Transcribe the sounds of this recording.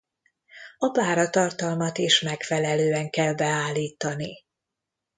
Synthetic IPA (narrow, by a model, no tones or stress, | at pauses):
ɒpaːɾɒt̪ɒrt̪ɒlmɒt̪iʃmɛkfɛlɛløːɛŋkɛlbɛaːlːiːt̪ɒni